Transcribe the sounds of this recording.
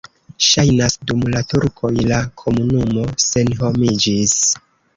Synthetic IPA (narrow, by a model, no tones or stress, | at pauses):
ʃajnasdumlatuɾkʰo̞jlakʰo̞munumo̞se̞nɦo̞mid͡ʒis